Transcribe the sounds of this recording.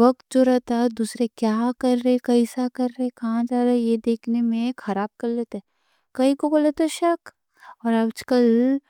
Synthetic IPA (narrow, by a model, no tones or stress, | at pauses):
ʋɐk̚t̪̚d͡ʒoɾɐɦt̪aɦɛd̪uːsɾekjaːkɐɾːəekɐɦisakɐɾːɐɦẽkɐɦãd͡ʒaːɾajed̪eːkʰnemẽxʰɐɾaːb̚kɐɾlet̪ɛ | kɐɦĩkoboːlet̪eʃɐk | ɔːɾaːbd͡ʒkəl